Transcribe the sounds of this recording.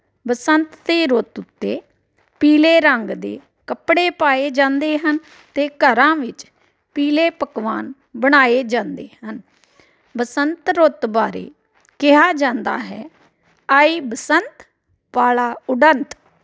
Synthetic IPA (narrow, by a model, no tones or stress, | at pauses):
bəsənt̪t̪eːɾot̪ʊt̪ːeː | piːleːɾəŋɡd̪ḛː | kəpɽeːpaːeːd͡ʒãːnd̪eːɦən | t̪eːkəɾãːʋɪt͡ʃ | piːleːpəkʋaːn | bəɽ̃aːeːd͡ʒãːnd̪eːɦən | bəsənt̪ɾot̪baːɾḛː | kɪɦaːd͡ʒãːnd̪a̰ːɦɛː | aːiːbəsənt̪ | paːlaːʊɖənt̪